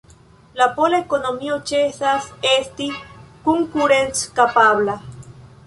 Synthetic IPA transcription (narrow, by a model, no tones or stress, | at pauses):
lapolaekonomiot͡ʃesasest̪ikuŋkuɾent͡skapaβla